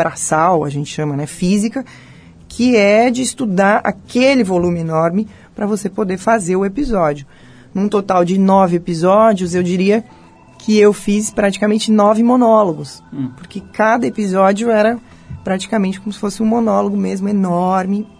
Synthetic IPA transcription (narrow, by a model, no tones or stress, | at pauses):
bɾasawɐ̰ʒẽnt͡ʃɪ̥ʃɐ̃mɐnɛfizikɐ | kʰɪɛd͡ʒɪːst̪ud̪aɾa̰kelɪvolũmɪenɔɾmɪ | pɾɐvosepod̪eɾfazeɾʊepizɔd͡ʒiʊ | nũt̪ot̪awd͡ʒɪnɔvɪepizɔd͡ʒjʊzewd͡ʒiɾiɐ | kʰɪewfispɾat͡ʃikamẽnt͡ʃɪnɔvɪmonɔloɡʊspʊɾkekad̪ɐepizɔd͡ʒjʊɛɾɐ | pɾat͡ʃi̥kamẽnt͡ʃɪkõmʊsɪ̥fosɪũmõnɔloɡʊmezmʊenɔɾmɪ